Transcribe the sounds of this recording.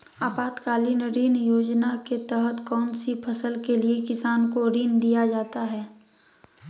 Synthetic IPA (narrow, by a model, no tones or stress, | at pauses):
aːpaːt̪kaːlinəɾiːnjoːd͡ʒnaket̪ɛɦət̪kɔːnsipʰɐsəlkeliekɪsaːnkoɾiːnd̪ijad͡ʒaːt̪aɦɛː